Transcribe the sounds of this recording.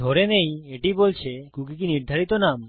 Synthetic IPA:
oɾenejeʈibolt͡ɕʰekuk̬ikiniɾd̪ʱaɾit̪onam

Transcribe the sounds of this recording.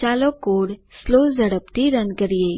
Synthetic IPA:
aːlokoːɽsloːzəɽəpt̪iɾənkəɾije

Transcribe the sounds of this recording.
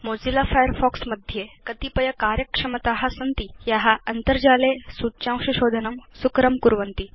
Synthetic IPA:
mod͡zilafajəɾfɔksməd̪ʱjekət̪ipɐjɐkaɾjəkʂɐmət̪aɦasənt̪ijaɦaʔɐnt̪əɾd͡ʑalesut͡ɕãw̃ɕuɕod̪ʱənəmsukɾəmkuɾʋənt̪i

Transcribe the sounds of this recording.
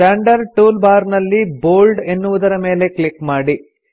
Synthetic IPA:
aːɳɖɐɾʈuːlbaːɾnɐlːiboːlɖe̞nːuʋud̪ɐɾɐme̞ːle̞klikmaːɽi

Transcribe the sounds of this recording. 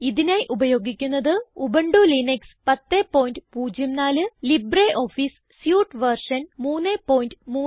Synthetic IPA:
iðinaːjiʔubɐjo̞ːɡikʲːunːɐðɨubɐɳɖulinekspɐt̪ːeːpːo̞ːjndɨpuːd͡ʑɐmnaːlɨlibreʔo̞ːfis | sjuːʈʋɐrʂɐnmuːnːeːpo̞ːjindɨmuː

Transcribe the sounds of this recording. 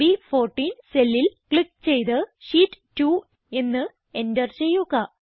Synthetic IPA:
ifo̞ːrʈːiːnselːilkɭikːt͡ɕejt̪ɨɕiːʈːtːuː | e̞nːɨ | e̞ndɐrt͡ɕejokːa

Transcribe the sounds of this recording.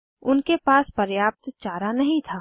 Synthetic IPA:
ʊnkepaːspɐɾjaːp̚t̪t͡ʃaːɾanɐɦĩt̪ʰaː

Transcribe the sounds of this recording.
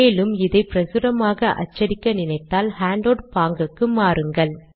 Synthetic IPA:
eːlɯmɪðɐɪpɪɾɐsɯɾɐmaːɣɐʔɐ̰t͡ʃːɐɾɪkːɐnɪnɐɪt̪ːaːlhaːɳɖoːɽpaːŋɡɯkːɯmaːrɯŋɡɐɭ

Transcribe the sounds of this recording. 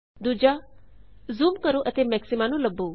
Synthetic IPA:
d̪uːd͡ʒa | zuːmkəɾuʔət̪eːmɛːksɪmãnũləbːuː

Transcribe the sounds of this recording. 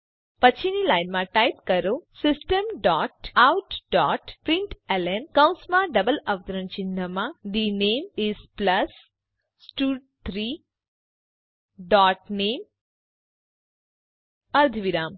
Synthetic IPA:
pət͡ʃʰinilajnmãʈajp̚kəɾosɪsʈəmɖɔːʈawʈɖɔːʈpɾĩɳʈelenkə̃w̃smãɖəbələʋt̪əɾənt͡ʃĩnd̪ʱəmãɖinemispləs | sʈuːɖ | t̪ʰɾi | ɖɔːʈnem | əɾd̪ʱʋiɾaːm

